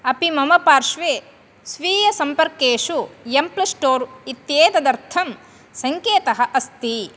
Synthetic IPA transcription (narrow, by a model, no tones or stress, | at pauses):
ɐpimɐmɐpaːɾʂʋeː | sʋiːjɐsɐmpɐɾkeːʂuemplɐsʈoːɾit̪jeːt̪ɐd̪ɐɾt̪ʰɐm | sɐŋkeːt̪ɐɦɐ̆ʔɐst̪i